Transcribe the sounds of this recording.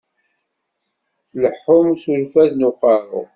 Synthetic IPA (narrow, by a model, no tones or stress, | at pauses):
θləħːʊmsuɾfæðnʊqɑɾʊ̰